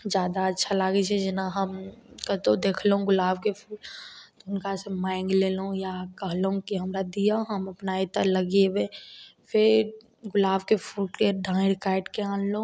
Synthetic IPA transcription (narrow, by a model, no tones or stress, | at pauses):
d͡ʒjaːd̪aɐtːʃʰalaːɡet͡ʃʰɛd͡ʒɪnaɦəmkət̪od̪eːkʰleɦũɡʊlaːbkepʰuːlt̪oʊnkasemãːɪ̃ŋɡleːlũjakəɦlɦũkiɦəmɾad̪ijaɦəmɐpnait̪ələɡebepʰɪɾ | ɡʊlaːbkepʰulklejəɾɖãːɽkaːɪʈkeãːnl̃